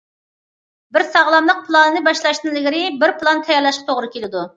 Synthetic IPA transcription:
bɪɾsɑʁlˠɑmlˠəq̚pʰlˠɑnɨnɨbɑʃlˠɑʃnɨŋlɪɡʲɪɾɪbɪɾplˠɑnt̪ʰɛjɛlˠɑʃqt̪ʰoʁɾɨkʲelɪd̪u

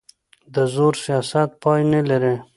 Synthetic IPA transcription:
d̪əzoɾsijɑsat̪̚pɑjnelaɾe

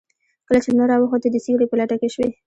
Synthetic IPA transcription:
kəlat͡ʃenaɾɑwəxoəd̪əseɡɽepəlaʈakeʃwe

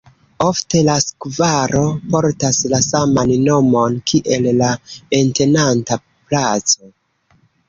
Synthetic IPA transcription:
o̞fte̞laskvaɾo̞po̞ɾtaslasamanːo̞mo̞nkʰiʔe̞lːaente̞nanta | plat͡so̞

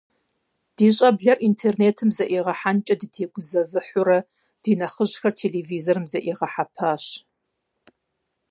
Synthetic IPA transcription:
d̥iːɕʼɐbɮɐrʔintʰeːrneːtʰɨmzɐʔiːʁɐħant͡ʃʼɐdɨtʰeːɡʷʊzɐvɨħʷʊɾɐ | d̥iːnɐχəʑxɐrtʰeːleːviːzorɨmzɐʔiːʁɐħapʰaːɕ

